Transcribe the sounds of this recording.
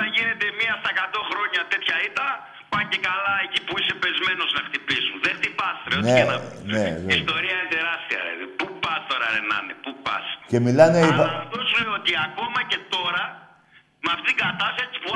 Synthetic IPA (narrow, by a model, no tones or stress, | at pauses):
eʝine̞t̪e̞miɐst̪ɐekat̪o̞xɾo̞ɲɐt̪e̞t̪çɐit̪ɐ | pɐɲce̞kalɐecipuise̞pe̞zme̞no̞znɐxt̪ipizunðext̪ipɐst̪ɾeonieenɐnevist̪o̞ɾiɐinet̪e̞ɾɐst̪iɐ̰ɾḛpupɐst̪o̞ɾɐɾenɐ̰nepupɐ̰sce̞milɐneivɐft̪osuleot̪iako̞mɐce̞t̪o̞ɾɐ | mɐft̪it̪iɡɐt̪ɐsɐsit͡si̥pu